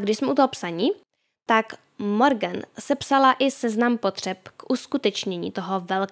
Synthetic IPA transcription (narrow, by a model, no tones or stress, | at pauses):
ɡdɪʃsmɛʔut̪oɦopsaɲi | t̪ak | moɾɡɛnsɛpsalaʔɪsɛznampot̪r̝̥ɛpkʔuskut̪ɛt͡ʃɲɛɲḭːt̪oɦovɛl